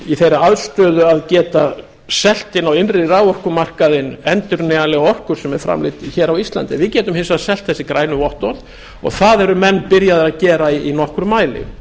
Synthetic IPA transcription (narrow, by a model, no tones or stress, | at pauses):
iθejɾaaðst̪œːðʏaðcɛːt̪a | sɛl̥t̪ɪnawɪnrɪravɔr̥kʏmar̥kaðɪnɛnt̪ʏɾnɛɣalɛɣɔhkʏɾ̥sɛmɛɾfɾa̰mlɪ̰t̪çɛːɾawist̪la̰nt̪ɪvɪðcɛːt̪ʏmhɪnsaðsɛl̥t̪θɛsɪkɾaːjnʏvɔht̪ɔl | ɔ̰ɣθaðɛɾʏmɛnːpɪɾjaðɾaðcɛːɾaiinɔhkɾʏmaːjlɪ̰